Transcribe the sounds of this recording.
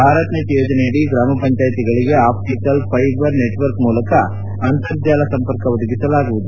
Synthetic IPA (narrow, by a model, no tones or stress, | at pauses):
bʱaːɾɐt̪net̪joːd͡ʒɐnejɐɽiɡɾaːmɐpɐɲt͡ʃaːjt̪iɡɐɭiɡe̞aːpʈiʈɐlpʰɐjbɐɾneʈʋɐɾkmuːlɐkɐ | ɐnt̪ɐɾd͡ʒaːlɐsɐmpɐɾkɐʋod̪uɡisɐlaːɡuʋud̪u